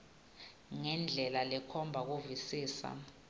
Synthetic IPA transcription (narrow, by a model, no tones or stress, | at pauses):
ŋɛnd͡ɮʱɛlalɛkʰɔmbʱak̬uvisiːsa̰